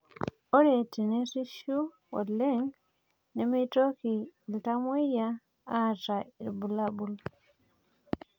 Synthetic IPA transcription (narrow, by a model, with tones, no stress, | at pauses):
o˦ɾe˨ti˨ne˦si˦ʃu˦ | o̰˨le˦ŋ | ne˨me˦i˦to˦ki˨lta˦mwi˦ja˦ | a˦˨ta˨i˨ɾbu˨la˦bu˨l